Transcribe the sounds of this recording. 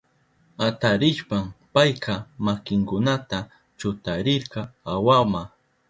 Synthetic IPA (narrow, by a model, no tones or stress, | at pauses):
at̪aɾɪʃpampajqʰɑmakɪŋkʊnat̪a | t͡ʃʊt̪aɾɪɾqɑawama